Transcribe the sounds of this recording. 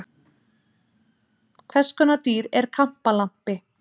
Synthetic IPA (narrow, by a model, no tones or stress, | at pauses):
kʰvɛskʏnat̪iːɾɛɾ̥kʰam̥palam̥pɪ